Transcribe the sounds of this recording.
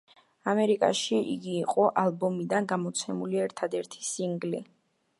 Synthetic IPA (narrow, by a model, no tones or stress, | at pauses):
amɛɾikʼa̰ʃiʔḭɡiːqʼɔʔalˠbɔmid̪anɡamɔt̪sʰɛmuliɛɾt̪ʰad̪ɛɾt̪ʰi̥siŋɡli